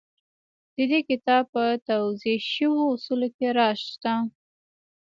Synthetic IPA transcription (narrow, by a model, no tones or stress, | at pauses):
d̪̥əd̪ekɪt̪ɑb̚pət̪awzeʃəwoʊsulokeɾɑʃt̪a